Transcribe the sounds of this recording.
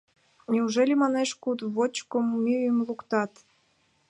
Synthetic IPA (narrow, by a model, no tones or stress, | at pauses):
nʲiuʒelʲemɑneʃkud̪βot͡ɕkomːyəmlukt̪ɑt̪